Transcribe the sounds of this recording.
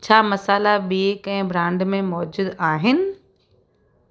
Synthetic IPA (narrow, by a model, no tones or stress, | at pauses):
t͡ɕʰaːmɐsaːlaɓiːkɛ̃ːbɾãːɳɖmẽmɔːd͡ʑʊd̪aːɦɪnɪ̆